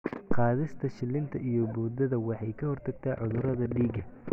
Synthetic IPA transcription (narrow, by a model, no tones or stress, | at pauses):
qɑːðɪst̪ʰɐʃɪlːɪnt̪ʰɐʔijɔbuːd̪ɐðɐwɑħɑjkʰɐhɔrt̪ʰɐɡ̚t̪ʰaːʕʊðʊɾɐðɐɖiːɡɐ